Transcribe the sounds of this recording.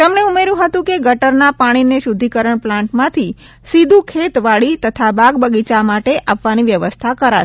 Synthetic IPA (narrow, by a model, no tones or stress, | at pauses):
t̪emneumeɾjũɦət̪ũkeɡəʈəɾnapaɽ̃ineʃud̪ʱikəɾəɳplãɳʈmãt̪ʰi | sid̪ʱũkʰet̪ʋaɭit̪ət̪ʰabaɡ̚bəɡit͡ʃamaʈeʔapʋaniʋjəʋəst̪ʰakəɾaʃ